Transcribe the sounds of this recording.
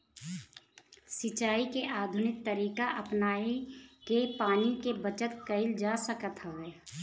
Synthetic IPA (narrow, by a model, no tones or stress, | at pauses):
sɪt͡ʃaːikeʔaːd̪ʱʊnɪk̚t̪əɾiːkaʔɐpnaːikepaːnikebət͡ʃət̪kəɪld͡ʒaːsəkət̪ɦəʋeː